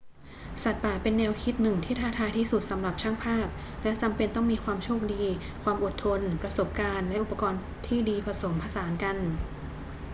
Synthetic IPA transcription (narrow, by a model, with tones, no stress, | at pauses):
sa˨˩t̪̚paː˨˩pe˧nːɛː˧wkʰi˦˥t̪̚nɯ˨˩ŋt̪ʰiː˥˩t̪ʰaː˥˩t̪ʰaː˧jt̪ʰiː˥˩su˨˩t̪̚sa˩˦mɾa˨˩p̚t͡ɕʰa˥˩ŋpʰaː˥˩p̚lɛ˦˥t͡ɕa˧mpe˧nt̪ɔ˥˩ŋmiː˧kʰwaː˧mt͡ɕʰuː˥˩ək̚diː˧ | kʰwaː˧mʔo˨˩t̪ʰːo˧npɾa˧so˨˩p̚kaː˧nlɛ˦˥ʔu˨˩pa˧kɔː˧n | t̪ʰiː˥˩diː˧pʰɾa˧so˩˦mpʰa˧saː˩˦nka˧n